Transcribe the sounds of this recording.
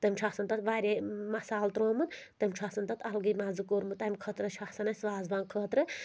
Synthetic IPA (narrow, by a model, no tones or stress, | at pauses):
t̪ɐmʲt͡ʃʰaxsɐnt̪ɐt̪ʋaːɾʲemɐsaːlt̪ɾoːmɨnt̪ɐmʲt͡ʃʰaxsɐnt̪ɐt̪ɐlɡɨmanzɨkoːɾmɨt̪ɐmʲkʰət̪ɾɨʃʰaxsɐnɐsʋaːzbankʰəːt̪ɾɨ